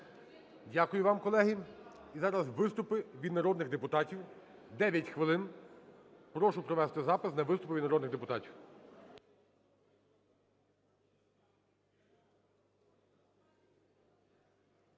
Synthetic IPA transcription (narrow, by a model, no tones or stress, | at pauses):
dʲakʊjʊʋɑmkɔlˠɛɦi | izɑɾɐzʋɪst̪ʊpɪʋʲid̪nɐɾɔd̪nɪɣd̪epʊt̪ɑtʲiw | d̪ɛʋʲjɐtʲxʋɪlˠɪn | pɾɔʃʊpɾɔʋɛst̪ɪzɑpɪsnɐʋɪst̪ʊpʊʋʲid̪nɔɾɔd̪nɪɣd̪epʊt̪ɑtʲiw